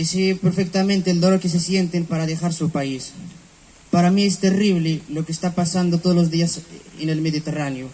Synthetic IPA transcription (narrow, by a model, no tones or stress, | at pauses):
isipeɾfek̚t̪amẽnt̪eld̪oloɾkes̬esjent̪empaɾaðexaɾsupais | paɾamiest̪eriβ̞lelokeːst̪apasand̪ot̪oolozðiasḛnelmeðit̪eraneo